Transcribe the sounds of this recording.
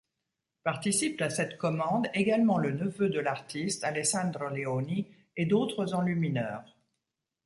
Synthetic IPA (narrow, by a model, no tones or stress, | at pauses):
paʁt̪isip̚t̪asɛt̪kɔmɑ̃d̪eɡalmɑ̃lənəvød̪əlaʁt̪ist̪alɛsɑ̃d̪ʁəleoni | ed̪ot̪χəzɑ̃lyminœːʁ